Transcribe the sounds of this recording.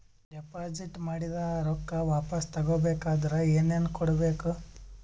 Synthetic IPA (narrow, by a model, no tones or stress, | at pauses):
ɖɛpaːd͡ʒiʈmaːɽid̪ɐːɾɔkːɐʋaːpɐst̪ɐɡoːbeːkaːd̪ɐɾɐeːneːnkɔɽɐbeːku